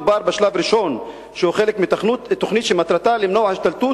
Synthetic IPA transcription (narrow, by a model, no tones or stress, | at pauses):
baɾbeʃlavɾiʃon | ʃehuxelekmiut̪ːoχnit̪ʃemat̪ɾat̪alemnohaʃt̪alt̪u